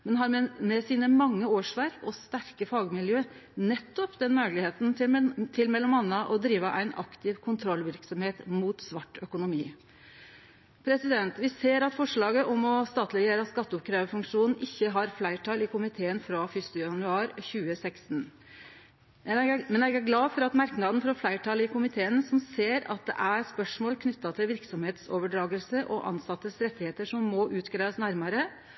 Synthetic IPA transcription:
mɛnɦɑːɾmɛsiːnəmɑŋːəoːʂʋæɾkɔst̪æɾkəfɑːɡmɪljøː | nɛt̪ːɔpd̪ɛnmøːɡlɪheːt̪nt̪ʰɪlmɛlːɔmɑnːəʔɔd̪ɾiːʋəʔæ̰ɪnɑ̰kt̪ʰɪʋkʰʊnt̪ʰɾɔlːʋɪɾksɔmheːt̪muːt̪sʋɑʈːœkʊnʊmiː | pʰɾɛsɪd̪ɛnt̪ʋɪseːɾɑt̪fɔʂɭɑːɡəʔɔmɔst̪ɑːt̪ʰlɪjeːɾɑskɑt̪ːəʊp̚kʰɾeːʋəfʉŋkʂuːnn̩ʔɪçːəɦɑɾflæɪʈʰɑːlɪkʊmɪt̪ʰeːənfɾɑfʏst̪ʉjɑnʉɑːɾçʉːəsɛkst̪n | mɛnɛɡæɡlɑːfɔɾɑt̪mɑɾknɑːd̪n̩fɔɾɔflæɪʈʰɑːlɪkʊmɪt̪ʰeːənsɔmseːɾɑ̰t̪̚d̪ɛ̰ʔæɾspœʂmoːlkʰnʏt̪ːɑt̪ʰɪlʋɪɾksɔmheːt̪soːʋəɖɾɑːɡəlsəʔɔʔɑ̰nsɑt̪ːəsɾɛt̪ːɪheːt̪əʂɔmːɔʔʉːt̪ɡɾæɪəsnæɾmɑɾə

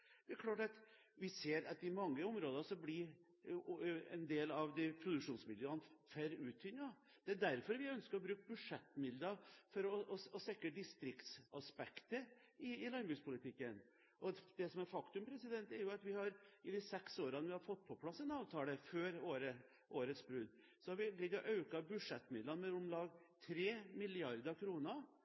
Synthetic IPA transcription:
d̪̥ɛæɾkʰlɑːʈɑt̪ | ʋɪseːɾɑt̪ɪmɑŋːəʊmɾoːd̪əsɔblɪ | ɛ̰nd̪eːlɑʋd̪ɪpʰɾʊd̪ʉkʂuːnsmɪləɑnfœɾʉːt̪ʰʏnːɑ | d̪̥ɛæɖ̪æɾfɔɾʋɪœnskəɾɔbɾʉːk̚bʉʂɛt̪ːmɪld̪ɑfɔɾɔɔsɛkːəd̪ɪst̪ɾɪkt̪sɑspɛkt̪ə | ɪɪlɑnbʉːspʰʊlɪt̪ʰɪkːən | ʔɔd̪ɛsɔmæɾfɑkt̪ʉmpʰɾɛsɪd̪ɛnt̪ɛɾjʊɑt̪ʋɪhɑɾɪd̪ɪsɛksoːɾɑnəʋɪhɑɾfɔt̪̚ːpʰɔpʰlɑsɛnɑːʋt̪ʰɑːləføːɾoːɾə | ʔoːɾət̪sbɾʉd̪ | sɔhɑɾʋɪk̪ɪɡɔʔɑʉkɑbʉʂɛt̪ːmɪd̪lɑnmɛʊmlɑːɡt̪ʰɾeːmɪlɪɑɾd̪əkʰɾuːnə

